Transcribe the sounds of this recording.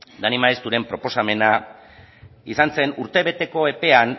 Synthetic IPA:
d̪animaest̪uɾe̞mpɾo̞po̞same̞na | isanse̞nuɾt̪e̞βe̞t̪e̞ko̞e̞pe̞an

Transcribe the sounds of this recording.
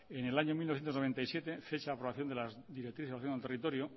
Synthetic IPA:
ene̞laɲomilnoθjent̪znoβe̞nt̪aijsjet̪e̞fe̞t͡ʃaːpɾo̞βaθjo̞nd̪elazd̪iɾek̚t̪ːɾiθesaθjonlt̪erit̪o̞ɾjo

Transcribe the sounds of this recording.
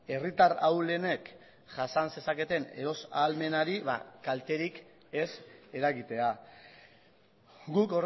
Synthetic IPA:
e̞rit̪arawle̞ne̞k | ʝasanse̞sake̞t̪e̞ne̞ɾo̞salme̞naɾiβa̰kalt̪e̞ɾik | e̞se̞ɾaɣit̪e̞a | ɡuko̞r

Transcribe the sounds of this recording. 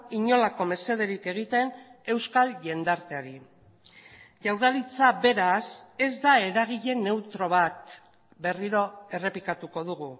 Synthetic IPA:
iɲo̞lako̞me̞se̞ð̞e̞ɾike̞ɣ̞it̪e̞ne̞wskalʝe̞nd̪aɾt̪e̞aɾi | ʝawɾðalit͡saβe̞ɾase̞zd̪ae̞ɾaɣ̞iʎe̞ne̞wt̪ɾo̞β̞at̪ | be̞riɾo̞e̞re̞pikat̪uko̞ð̞uɣu

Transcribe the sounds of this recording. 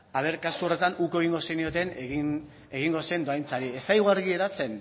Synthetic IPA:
aβe̞ɾkasuo̞re̞t̪anukoe̞ɣiŋɡo̞senio̞t̪eneɣin | e̞ɣiŋɡo̞se̞nd̪o̞ajnt͡saɾie̞sajɣoaɾɣie̞ɾat͡se̞n

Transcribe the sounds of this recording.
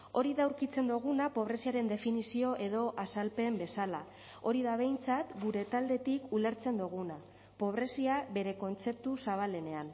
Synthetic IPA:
o̞ɾiðawɾkit͡se̞nd̪uɣ̞unapo̞β̞ɾe̞siaɾe̞nd̪e̞finisio̞ʔe̞ð̞o̞ʔasalpe̞mbe̞sala | o̞ɾiðaβ̞e̞jnt͡sat̪ɡuɾe̞t̪ald̪e̞t̪ikule̞ɾt͡se̞nd̪uɣ̞una | po̞βɾe̞siaβe̞ɾe̞ko̞nt͡se̞p̚t̪usaβ̞ale̞ne̞an

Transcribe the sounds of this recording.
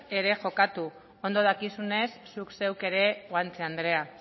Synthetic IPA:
e̞ɾe̞ʝo̞kat̪u | o̞nd̪o̞ð̞akisune̞sːukse̞wke̞ɾe̞ɣwant͡seand̪ɾe̞a

